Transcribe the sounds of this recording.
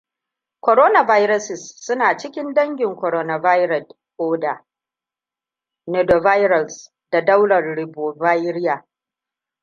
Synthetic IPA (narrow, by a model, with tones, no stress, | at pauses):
kʷɔ˨ɾoː˦na˨va˦jɾɐ˦sɪ˨sːʊ˦naː˨t͡ʃɪ˦kʲɪ˦ndɐ˦ŋɡʲɪ˨ŋkʷɔ˨ɾoː˦na˨va˦jɾɐ˨d | koː˦da˨ | nɛ˨do˨va˦jɾɐ˨s | da˨da˦wɽɐ˨rɽɪ˨bo˨va˦jɾɪ˦jaː˨